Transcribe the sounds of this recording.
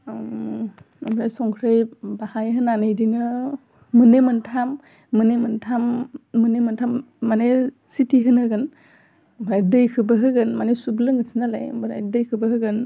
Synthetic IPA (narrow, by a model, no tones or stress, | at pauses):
bɾajsɔŋkʰɾɯjbahajɦɯnanɯjdinɯ | mɯnemɯntʰamː | ɯnemɯntʰamːɯnemɯntʰamː | ane | sitiɦɯnɯɡɯn | bɾajdɯjkʰɯbɯɦɯɡɯnmanesublɯŋɯsʰinalajbɾa̰jdɯjkʰɯbɯɦɯɡɯn